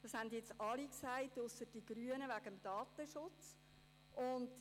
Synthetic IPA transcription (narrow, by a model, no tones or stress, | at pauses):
d̥ɑshændjɛt͡sɑliksæɪtʊsəd̥iɡryənəvæɡəmd̥ɑːtəʃʊt͡s | ʔʊnd